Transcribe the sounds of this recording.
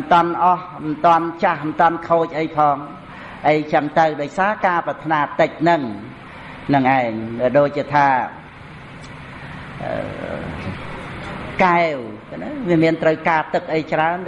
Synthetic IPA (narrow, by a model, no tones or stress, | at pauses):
nt̪ŏənʔɑh | mənt̪ŏənt͡ɕahmənt̪ŏənkʰoːc̚ʔəjpʰɑːŋ | ʔəjt͡ɕəŋt̪ɨwɗoːc̚saːkaːprɑt̪ʰnaːt̪ɨc̚nɨŋ | nɨŋʔaɛŋɗaːɗoːc̚t͡ɕiət̪ʰaː | ʔə̰ | kaɛwknaʋiəmiənt̪rəwkaːt̪ɨk̚ʔəjt͡ɕraən